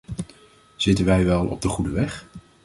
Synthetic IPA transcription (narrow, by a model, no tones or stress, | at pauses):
z̥ɪtənʋɛjʋɛlˠɔ̰b̚dəχudəʋɛχ